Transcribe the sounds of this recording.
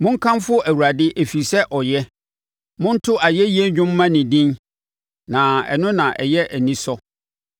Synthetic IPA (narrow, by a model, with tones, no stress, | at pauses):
mʊ̃˦ŋ̩˦kʰã˦mfʊ˦ɔ˦ʔæ˨wu˨ɾa˨dɪ˦ʔe˨fi˨sɛ˦ʔɔ˨jɛ˦ | mʊ̃˦n˦tʰʊ˦a˨jɛ˦ji˦ɛ˦ɲᶣʊ̃˦mː˦ã˦nɪ̃˨dĩ˦n | nã˨ɛ̰˨nʊ̃˦nã˨ʔɛ̰˨jɛ˦ʔæ˨nĩ˦sɔ˦